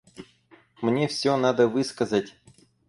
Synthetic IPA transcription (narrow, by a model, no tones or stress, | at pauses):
mnʲefsʲonad̪əvɨskɐzətʲ